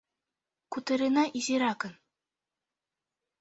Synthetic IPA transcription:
kut̪ɤ̆ɾɯnɑʔiʑiɾɑkɤ̆n

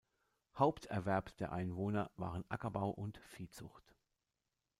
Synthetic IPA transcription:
haʊptʰɛɐvɛɐpsd̥eːɐʔaɪnvoːnɐva̰ːʁənʔakɐbaʊʔʊntfiːt͡sʊ̰χt

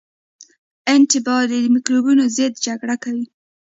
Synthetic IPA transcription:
ɪntɪbɑɾid̪mikɾobunozet̪̚d͡ʒaɡɽakawi

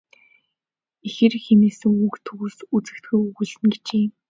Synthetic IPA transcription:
exĕrxemeːsɘ̆ŋuːkt̪ʰɵɣuːsut͡sɘ̆kt̪ɡujuɣŭɮɘ̆nɡe̥t͡ɕeː

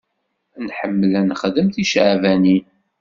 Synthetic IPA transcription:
nħəmːəlænəχðəmθiʃʕvæni

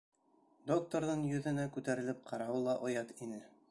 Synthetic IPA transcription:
d̪ok̚t̪oɾðɤɴjɵ̆ðɘ̆nækʉt̪æɾɘ̆lɘp̚qʰɑɾɑwɤlˠɑʔŏjɑt̪inɘ

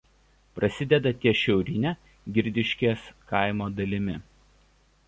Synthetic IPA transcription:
pɾɐsʲɪd̪ʲɛd̪ɐt̪ʲiɛʃʲɛʊɾʲɪnʲe | ɡʲɪɾʲd̪ʲɪʃʲkʲeːskɐˑɪmoːd̪ɐlʲɪmʲɪ

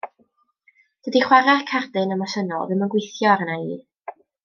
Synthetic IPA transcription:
d̥ədiχwaɾakʰardɨnəmasənɔ̰lvɨmənɡwɪjθjɔaɾənaiː

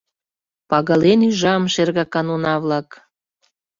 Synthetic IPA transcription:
pɑɣɑlenyʒɑmʃerɣɑkɑnonɑβlɑk

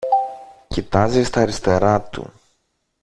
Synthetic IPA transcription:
cit̪ɐzist̪ɐɾist̪e̞ɾɐt̪ṵ

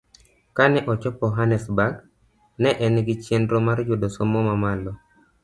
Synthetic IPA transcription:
kanɛʔɔt͡ʃɔpɔɦanɛsbaɡ | nɛʔɛnɡit͡ʃendɾɔmaɾd͡ʒʊdosomɔmamalɔ

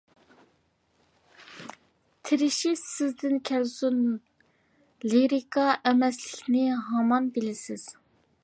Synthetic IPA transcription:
t̪ʰɪɾɪʃisɪzd̪ɪnkʲʰɛlsun | liɾikʰɑʔɛmɛslɪkʲnɪɦɑmɑnbɪlɪsɪz̥

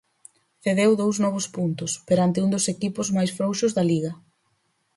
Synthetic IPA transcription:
θeðewðowznɔβ̞ʊspunt̪ʊspeɾant̪ɪund̪ʊsekipʊzmajsfɾowʃʊzðɐliɣɐ

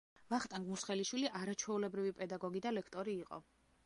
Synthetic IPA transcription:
vaχt̪ʼaŋɡmusχɛliʃwiliʔaɾat͡ʃʰwɛulɛbɾivipʼɛd̪aɡɔɡid̪alɛkʰt̪ʼɔɾiːqʼɔ̰

